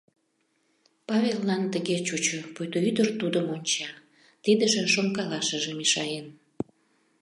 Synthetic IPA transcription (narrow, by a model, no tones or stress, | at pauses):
pɑβelːɑnt̪əɣet͡ɕut͡ɕopujt̪oyd̪ərt̪ud̪əmonʲt͡ɕɑ | t̪id̪əʒĕʃomkɑlɑʃəʒemiʃɑjen